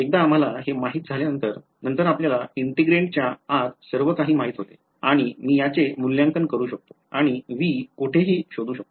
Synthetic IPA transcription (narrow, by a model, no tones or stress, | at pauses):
ek̚d̪aːm̤alaɦemaɦiːt̪̚d͡zʱaljanənt̪əɾ | nənt̪əɾapljalaiɳʈiɡɾeɳʈ̚t͡ɕjaad̪səɾʋəkaɦiːmaɦiːt̪ɦot̪e̥ | aɽ̃imiːjat͡semulːjãŋkənkəɾuːɕək̚t̪oaɽ̃iʋiːkoʈʰeɦiːɕod̪uːɕək̚t̪o